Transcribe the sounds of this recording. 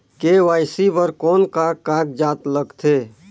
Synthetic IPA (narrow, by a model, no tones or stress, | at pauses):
keʋaːjsibəɾkɔːnkakːaɡ̚d͡ʒat̪ləɡt̪ʰe